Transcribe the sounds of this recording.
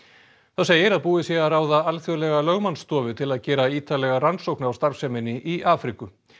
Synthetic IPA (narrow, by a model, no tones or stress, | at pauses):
θaws̬eːjɪɾaðpuːɪsjɛɣaraːwðaalθjœlɛɣalœɣmanst̪ɔːvʏt̪ʰɪlaðcɛːɾaiːt̪alɛɣaransowknawst̪aɾ̥fsɛmɪnːɪʔiʔaːfɾikʏ